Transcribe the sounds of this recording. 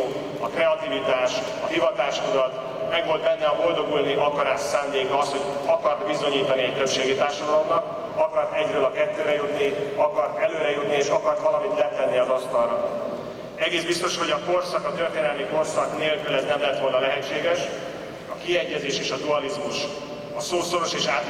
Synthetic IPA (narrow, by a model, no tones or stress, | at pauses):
ɒkrɛɒt̪ivit̪aːʃ | ɒɦivɒt̪aːʃkud̪ɒt̪ | mɛɡʋo̞lt̪bɛnːɛɒbo̞ld̪o̞ɡulniʔɒkɒɾaːʃsaːnd̪eːkɒsho̞ɟɒkɒrt̪bizo̞ɲiːt̪ɒniɛc̚t̪ø̞pʃeːɡit̪aːrʃod̪ɒlomnɒk | ɒkɒrt̪ɛɟrøːlɒkɛt̪ːøːɾɛjut̪niɒkɒrt̪ɛløːɾɛjut̪nieːʃɒkɒrt̪ʋɒlɒmit̪lɛt̪ɛnːiɒzɒst̪ɒlrɒ | ɛɡeːzbist̪o̞ʃho̞ɟɒko̞rsɒkɒt̪ørt̪eːnɛlmiko̞rsɒkneːlkylɛznɛmlɛt̪ʋo̞lnɒlɛɦɛt͡ʃːeːɡɛʃ | ɒkiɛɟːɛzeːʃeːʃɒd̪uɒlizmuʃ | ɒsoːso̞ɾo̞ʃeːʃaːt̪